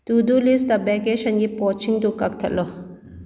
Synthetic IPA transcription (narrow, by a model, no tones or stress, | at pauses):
t̪uːd̪ulist̪ɐbɛkeʃɐnɡipoːt͡ʃʰiŋt̪ukɐk̚t̪ʰɐ̰lo